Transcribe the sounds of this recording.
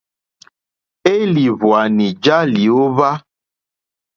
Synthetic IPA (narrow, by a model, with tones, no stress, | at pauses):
e˦li˨vwa˨nĩ˨d͡ʒa˦li˨o˦va˦